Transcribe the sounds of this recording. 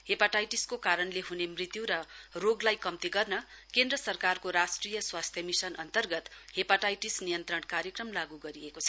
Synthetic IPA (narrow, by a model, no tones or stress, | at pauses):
hepaʈajʈiskokaɾʌnleɦunemrit̪juɾʌroɡlajkʌmt̪iɡʌrnʌkend̪rʌsʌrkarkoɾasʈrijʌswast̪ʰjʌmisʌnʌnt̪ʌrɡʌt̪hepaʈajʈisnijʌnt̪rʌɳkaɾjʌkrʌmlaɡuɡʌɾijekot͡sʰʌ